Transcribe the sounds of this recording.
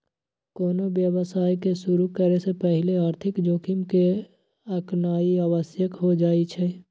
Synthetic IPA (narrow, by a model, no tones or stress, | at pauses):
koːnobjəwəsaːjkeʃʊɾukəɾesepəɦɪleaːɾt̪ʰɪkd͡ʒoːkɪmke | əknaːiaːwəsjəkɦod͡ʒaːit͡ʃʰɛ